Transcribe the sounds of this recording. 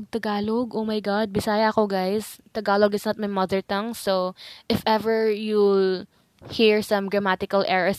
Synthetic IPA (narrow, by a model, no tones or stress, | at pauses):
ɡ̚t̪ɐɡaːloɡʔowmajɡad̪̚bɪsaːjɐʔɐkoɡajst̪ɐɡaːloɡɪsnɐt̪̚mɐjmɐðəɹt̪ɐ̃ŋsoʔɪfʔɛvɛɹju | hiɹsɐ̃mɡɹɐmat̪ɪkɐlʔɛɹɐ